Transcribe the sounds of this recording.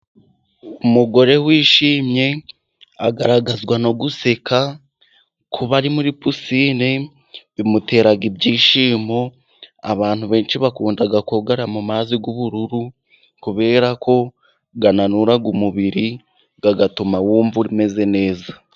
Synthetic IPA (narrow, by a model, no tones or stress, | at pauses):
umuɡo̞ɾe̞wiːʃiːmɲe̞ | a̰ɡaɾaɡazɡwano̞ɡuse̞ka | kʰuβaɾimuɾipusiːne | βimute̞ːɾaɡibɟiːʃiːmo̞ | a̰βaːn̥huβe̞ːnʃiβakuːndaɡakoɡaɾamumaːziɡuβuɾuɾu | kuβe̞ːɾakʰo̞ | ɡananuɾaɡumuβiɾi | ɡ̥aɡatumawuːɱvuɾime̞ze̞ne̞ːza